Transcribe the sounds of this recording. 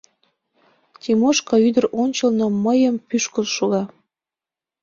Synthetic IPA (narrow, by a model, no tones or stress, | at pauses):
t̪ʲimoʃkɑyd̪ərʔonʲt͡ɕəlnoməjəmpyʃkəlʃuɣɑ